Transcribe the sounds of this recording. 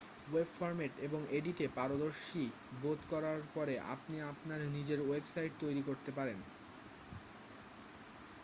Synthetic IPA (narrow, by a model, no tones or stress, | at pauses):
webfɔɾmeʈeboŋeɖiʈepaɾod̪oɾʃi | bot̪kɔɾaɾpɔɾeʔa̰pniapnaɾnid͡ʑeɾwebsajʈ̚t̪ojɾikoɾt̪epaɾen